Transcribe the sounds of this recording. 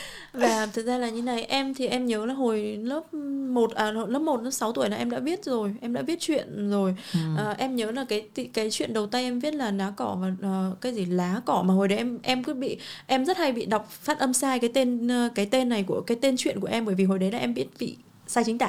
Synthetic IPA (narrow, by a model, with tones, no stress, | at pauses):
vaː˨˩˨t̪ʰɨ˨˩k̚zaː˧laː˨˩ɲɨ˨˧na˨˩jʔɛ˧mt̪ʰi˨˩ʔɛ˧mɲəː˨˦laː˨˩ɦo˨˩jləː˦˥p̚mo˨˩t̚ʔəː˨˩o˨˩jləː˦˥p̚mo˨˩t̚lə˧˦˥sa˨˦wt̪u˧˩əjna˨˦ʔɛ˧mɗa̰ː˧˥ɓi˦˥ət̚zo˨˩jʔɛ˧mɗa̰ː˧˥vi˦˥ət̚t͡ɕwḭ˧˨ənzo˨˩jʔəː˨˩ʔɛ˧mɲəː˨˦laː˨˩kaː˨˦jt̪i˨˦kaː˨˦jt͡ɕwḭ˧˨ənɗə˨˩wt̪a˧jʔɛ˧mvi˦˥ət̚laː˨˩naː˨˦kɔ˧˩vaː˨˩ʔəː˨˩kaː˨˦jzi˧˩laː˨˦kɔ˧˩maː˨˩ɦo˨˩jɗə˨˦ʔɛ˧mʔɛ˧mkɨ˧˥ɓḭ˧˨ʔɛ˧mzə˦˥t̚ha˧jɓḭ˧˨ɗa˨˩wk͡p̚faː˦˥t̚ʔə˧msaː˧jkaː˨˦jt̪e˧nː˨kaː˨˦jt̪e˧nːa˨˩jku˧˩əkaː˨˦jt̪e˧nt͡ɕwḭ˧˨ənku˧˩əʔɛ˧mɓəː˧˩jvi˨˩ɦo˨˩jɗə˨˦jlaː˨˩ʔɛ˧mɓi˦˥ət̚vḭ˧˨ | saː˧jt͡ɕï˨˦t̪a̰ː˧˨